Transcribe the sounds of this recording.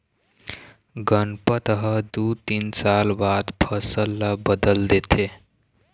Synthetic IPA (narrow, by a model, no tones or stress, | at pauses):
ɡənpət̪əɦəd̪ut̪insalbad̪pʰʌsəlːabəd̪əld̪et̪ʰe